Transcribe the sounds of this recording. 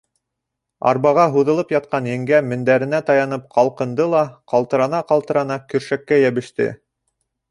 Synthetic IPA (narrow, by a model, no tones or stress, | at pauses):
ɑ̰ɾβɑʁɑɦuðɤ̆lˠɤpjɑt̪̚qɑnjɘ̆ŋɡæmɘ̆nd̪æɾɘ̆næt̪ɑjɑnɤp̚qɑlˠqɤ̆nd̪ɤlˠɑqɑlˠt̪ɤ̆ɾɑnɑqɑlˠt̪ɤ̆ɾɑnɑkɵ̆ɾʃækːæjæβɘ̆ʃt̪ɘ̰